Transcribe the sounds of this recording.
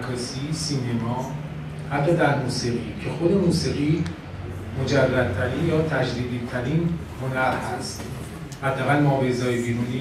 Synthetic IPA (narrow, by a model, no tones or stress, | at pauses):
kʰɒːsiːsiːne̞mɒː | hæt̪ʰːɒːd̪æɾmuːsiːɣicʰe̞xo̞d̪e̞muːsiɣiː | mo̞d͡ʒærːæd̪̚t̪ʰæɾiːnjɒːt̪ʰæd͡ʒd̪iːd̪iːt̪ʰæɾinhonæɾhæst̪ | hæd̪ːææɣælmɒːbezɒːjebiːɾuniː